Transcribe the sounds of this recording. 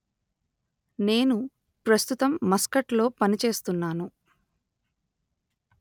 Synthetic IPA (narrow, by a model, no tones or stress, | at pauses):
ne̞ːnu | pɾɐst̪ut̪ɐmːɐskɐʈlo̞ːpɐnit͡ʃe̞ːst̪unːaːnu